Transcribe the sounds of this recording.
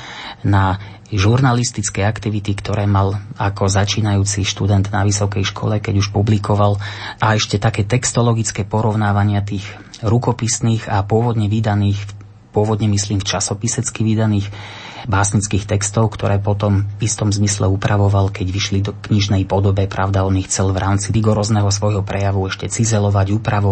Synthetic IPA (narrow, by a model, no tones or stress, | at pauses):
na | ʒuɾnalist̪it͡skɛakt̪iʋit̪ikt̪ɔɾɛːmalakʰɔzat͡ʃiːnajuːt͡siʃt̪ud̪ɛnd̪naʋisɔkɛjʃkʰɔ̰lɛkɛɟuʃpublikʰɔʋalʔaɛʃcɛt̪akɛːt̪ɛkst̪ɔlɔɡit͡skɛːpɔɾɔʊnaːʋaɲɪat̪iːɣ | ɾukɔpisniːɣapʊɔʋɔd̪ɲɛʋid̪aniːx | pʊɔʋɔd̪ɲɛmisliːmft͡ʃasɔpisɛt͡skiʋid̪aniːx | baːsɲit͡skiːxt̪ɛkst̪ɔʊkt̪ɔɾɛːpɔt̪ɔmist̪ɔmzmislɛ̰upɾaʋɔʋalkɛɟʋiʃlid̪ɔkɲiʒnɛjpɔd̪ɔbɛpɾaʊd̪aɔnixt͡sɛlvɾaːmt͡siiɡɔɾɔːznɛɦɔsʋɔjɦɔpɾɛjaʋuɛʃcɛt͡sizɛlɔʋaɟuːpɾaʋɔ